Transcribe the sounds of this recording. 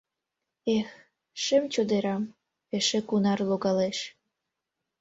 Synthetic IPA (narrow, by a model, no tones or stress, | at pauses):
ex | ʃə̆mt͡ɕod̪eɾɑm | eʃĕkunɑrloɣɑleʃ